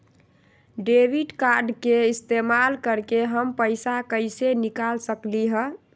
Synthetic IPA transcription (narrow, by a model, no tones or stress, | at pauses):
ɖebiʈkaɾɖkeist̪emalkəɾkeɦəmpəɪsakəɪsenikalsəkliɦə̃